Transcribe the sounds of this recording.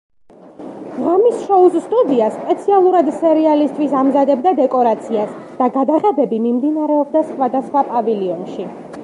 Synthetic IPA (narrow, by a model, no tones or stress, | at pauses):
ʁamisʃɔusst̪ʼud̪iaspʼɛt̪sʰialˠuɾad̪sɛɾialist̪ʼʰwisamzad̪ɛbd̪ad̪ɛkʼɔɾat̪sʰias | d̪̥aɡad̪aʁɛbɛbimimd̪inaɾɛɔb̚d̪asχwad̪asχwapʼaviliɔnʃi